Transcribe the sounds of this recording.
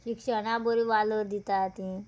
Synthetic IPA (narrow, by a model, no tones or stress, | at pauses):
ɕikʂəɽ̃abəɾiʋaləɾd̪it̪at̪ĩ